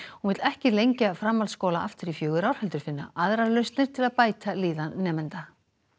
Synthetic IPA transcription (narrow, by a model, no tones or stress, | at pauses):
hunvɪt̪lɛhcɪlejɲcafɾamːalskoːwlaʔaft̪ɪɾifjœːɣʏɾawɾ̥hœlt̪ʏɾ̥fɪnːa̰ʔaðɾaɾlœɥst̪nɪɾ̥t̪ʰɪlaðpaːjt̪aliːðanːɛːmɛnt̪a